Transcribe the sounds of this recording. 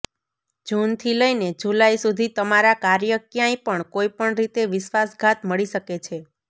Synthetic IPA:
d͡ʒunt̪ʰiləined͡ʒulaisud̪ʱit̪əmaɾakaɾjəkjãĩpəɳkoipəɳɾit̪eʋɪʃʋasɡʱat̪məɭiʃəket͡ʃʰe

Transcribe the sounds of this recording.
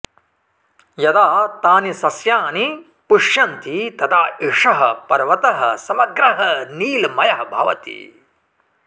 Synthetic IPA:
jɐd̪aːt̪aːnisɐsjaːni | puʂjɐnt̪it̪ɐt̪ʰaːeʂɐɦɐpɐɾʋɐt̪ɐɦɐ̰̆sɐmɐɡɾɐɦɐniːlmɐjɐɦɐbʱa̰ːʋɐ̰t̪ḭ

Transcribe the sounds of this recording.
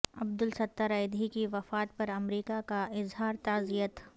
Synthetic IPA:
ɐb̚d̪ʊlsɐt̪ːəɾɐɪd̪ikiʋɐfaːt̪̚pɐɾɐmɾiːkakaɪzɦaːɾt̪aːzijət̪

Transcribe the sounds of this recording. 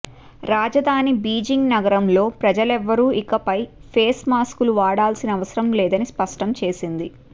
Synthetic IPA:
ɾaːd͡ʒɐd̪ʱaːnibiːd͡ʒiŋɡnɐɡɐɾɐmlo̞ːpɾɐd͡ʒɐlɛʋːɐɾuːikɐpɐjpʰeːsmaːskuluʋaːɽaːlsinɐːʋɐsɐɾɐmlɛːd̪ɐnispɐʂʈɐmt͡ʃe̞ːsind̪i

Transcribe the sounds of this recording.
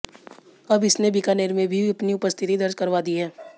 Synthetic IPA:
ɐbɪsnebɪkaːneːɾmẽbʱiɐpniʊpəst̪ʰɪt̪id̪ɐɾd͡ʒkɐɾʋad̪iɦɛː

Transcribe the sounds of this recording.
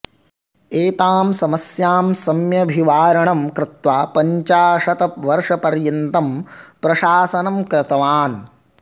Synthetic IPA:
eːt̪aːmsɐmɐsjaːmsɐmjɐbʱiʋaːɾɐɳɐmkɾɪt̪ʋaːpɐɲt͡ʃaːʂɐt̪ɐʋɐɾʂɐpɐɾjɐnt̪ɐmpɾɐʃaːsɐnɐmkɾɪt̪ɐʋaːn

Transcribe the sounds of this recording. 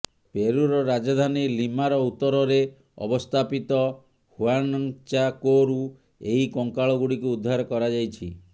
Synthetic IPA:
peɾuɾɔɾad͡ʒɔd̪ʱanilimaɾɔut̪ːɔɾɔɾe | ɔ̰bɔst̪ʰapit̪ɔ | huanɔŋt͡ʃakoɾu | eɦikɔŋkaɭɔɡuɽikuːd̪ʱːaɾɔkɔɾad͡ʒajt͡ʃʰi

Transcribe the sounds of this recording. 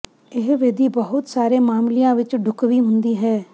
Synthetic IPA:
ɪɦʋed̪iːbəɦʊt̪saːɾeːmaːmlijãːʋɪt͡ʃɖʱʊkʋiːɦʊnd̪iːɦɛː

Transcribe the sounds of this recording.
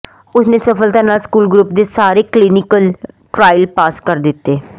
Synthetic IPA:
ʊsnẽːsəpʰəlt̪ãːnaːlskuːlɡɾuːpd̪eːsaːɾeːklinɪkəl | ʈɾaːɪlpaːskəɾd̪ɪt̪ːeː

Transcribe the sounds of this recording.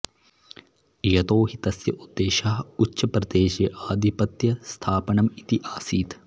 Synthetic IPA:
jɐt̪oːɦit̪ɐsjɐʔud̪ːeːʃaːɦutːʃɐpɾɐd̪eːʃeʔaːd̪ʱipɐt̪jɐst̪ʰaːpɐɳɐmit̪iʔaːsiːt̪

